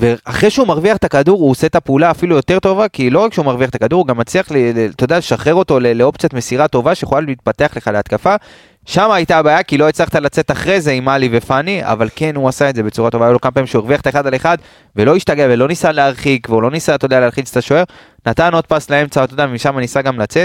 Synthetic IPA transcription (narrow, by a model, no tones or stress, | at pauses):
veaχʁeʃeumaʁviaχt̪akaduʁuose̞t̪apeulaːfilujo̞t̪e̞ʁt̪o̞vakilo̞ʁakʃeumaʁviaχt̪akad̪uʁuɡamːat͡sliaχlelet̪od̪ealeʃaχe̞ʁo̞t̪o̞leleopt͡siat̪me̞siʁat̪o̞vaʃeχolaliːt̪̚pat̪e̞aχle̞χaleat̪kafa | ʃamaːjt̪abaːjakilo̞et͡slaχt̪alat͡se̞t̪aχʁeze̞imalive̞fania̰valke̞nuasaedze̞be̞t͡suʁato̞vaːjalo̞kamapaimʃeueviaχt̪aeχad̪ale̞χad̪ | ve̞lo̞iʃt̪aɡeave̞lo̞nisaleaʁχikveulo̞nisat̪o̞d̪ealealχit͡st̪aʃo̞e̞ʁ | nat̪ano̞d̪̚paslae̞mt͡saot̪o̞d̪avemiʃamanisaɡamlat͡se̞t̪